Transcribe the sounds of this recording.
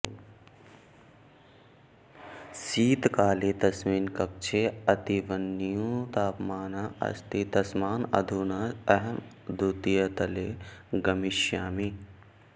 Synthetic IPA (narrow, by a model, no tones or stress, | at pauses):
siːt̪kaːlet̪ɐsmiːnkɐk̚t͡ʃʰeɐt̪iʋɐnːijũt̪aːpmaːnaʔɐ̰st̪it̪ɐsmaːnɐ̰d̪ʱuːnaɐɦɐmd̪ʱut̪ijɐt̪ɐleɡɐmiʃjaːmi